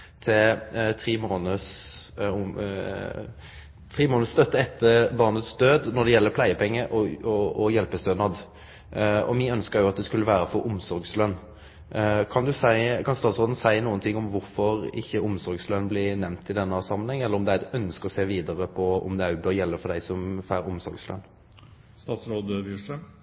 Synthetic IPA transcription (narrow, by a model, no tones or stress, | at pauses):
t̪ʰɪlt̪ʰɾiːmoːnəs | t̪ʰʁiːmoːnəst̪œt̪ːəɛt̪ʰːəbɑʁnət̪sd̪øːd̪nɔd̪ɛjɛlːəpʰlæɪəpʰɛŋːəʔɔɔɔjɛlpəst̪øːd̪nɑd̪ | ɔ̰mɪœnskəɾjʊɑt̪̚d̪ɛskʉlːəʋæːɾəfɔɾʔʊmsɔɾɡslœnː | kʰɑnd̪ʉsæɪkʰɑnst̪ɑːt̪sʁoːd̪nəsæɪənuːənt̪ʰɪŋːʊmʋʊɾfɔɾɪçːəʊmsɔɾɡslœnːblɪːnɛmnt̪ʰɪd̪ɛnːəɑsɑmənhɛŋːɛlːəɾɔmd̪ɛæɛt̪œnskəɾɔseːʋiːd̪əʁəpʰɔɔ̰md̪ɛbøːɾjɛlːəfɔd̪æɪsɔmfæːɾʊmsɔ̰ɾɡslœ̰nː | st̪ɑːt̪sɾoːd̪əʋuʂə